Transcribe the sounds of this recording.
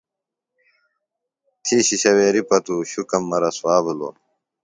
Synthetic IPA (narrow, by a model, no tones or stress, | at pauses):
t̪ʰiːɕiɕɐweːɾipɐt̪uːɕukɐmːɐɾɐswaːbulo̰ː